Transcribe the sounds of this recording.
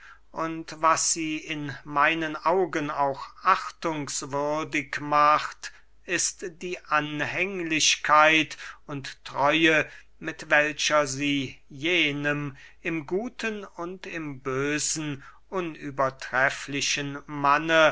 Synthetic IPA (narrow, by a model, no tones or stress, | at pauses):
ʔʊntvasz̥iːɪnmaɪnənʔaʊɡənaʊxʔaχtʊŋsv̥ʏɐdɪkmaχt | ʔɪstd̥iːʔanhɛŋlɪʃkʰaɪtʊntːʁ̥ɔʏə | mɪtv̥ɛlʃɐziːjeːnəm | ʔɪmɡuːtʰənʊntɪmbøːzn̩ʔʊnyːbɐtʁ̥ɛflɪʃənmanə